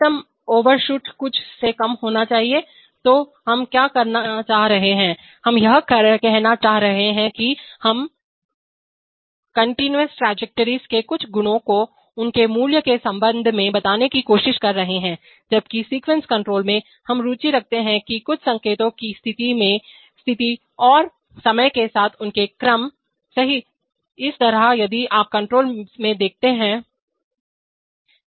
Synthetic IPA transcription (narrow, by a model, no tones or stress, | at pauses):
t̪əm | oːʋəɾʃuːʈkʊt͡ʃʰsekɐmɦoːnat͡ʃaːɦie | t̪oːɦɐmkjaːkɐɾnat͡ʃaːɦɾɐɦeɦɛ̃ː | hɐmjɐɦkɐɾkɛɦnat͡ʃaːɦɾɐɦeɦɛ̃kihɐm | kɐ̃ɳʈinuəsʈɾɛːd͡ʒɛk̚ʈəɾizkekʊt͡ʃʰɡʊnõko | ʊnkemuːljəkesɐ̃mbə̃nd̪ʱmẽbɐt̪aːnekikoːʃɪʃkɐɾːɐɦeɦɛ̃ː | d͡ʒɐb̚kisiːkwɛ̃nskɐ̃ɳʈɾoːlmẽ | hɐmɾuːt͡ʃiɾɐk̚ʰt̪eɦɛ̃kikʊt͡ʃʰsɐ̃ŋkeːt̪õkist̪ʰɪt̪imẽ | st̪ʰɪt̪i | ɔːɾ | sɐməjkesaːt̪ʰʊnkekɾɐm | sɐɦi | ɪst̪ɐɾajɐd̪iʔaːp̚kɐ̃ɳʈɾoːlmẽd̪eːk̚ʰt̪eɦɛ̃ː